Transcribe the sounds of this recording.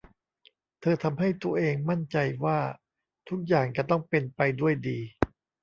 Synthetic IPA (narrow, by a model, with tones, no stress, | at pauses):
t̪ʰɤː˧t̪ʰa˧mɦa˥˩jt̪u˧ɐʔeː˧ŋma˥˩nt͡ɕa˧jwaː˥˩ | t̪ʰu˦˥k̚jaː˨˩ŋt͡ɕa˨˧˩t̪ɔ˥˩ŋpe˧npa˧jdu˥˩əjdiː˧